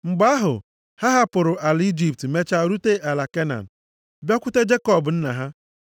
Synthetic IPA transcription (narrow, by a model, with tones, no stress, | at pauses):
ŋ͡m̩˨ɡ͡ba˦ɦʊ̰˨ | ha˦ɦa˦pʊ˨ɾʊ˨ʔa˨li˦d͡ʒi˦˨p̚tme˦t͡ʃa˦˨ɾu˦te˦ʔa˨la˨ke˦na̰˨n̩˨ | bjɔ˦kʷʊ˦te˦d͡ʒe˦kɔ˦˨bʊ˨n̩˦na˨ɦa˦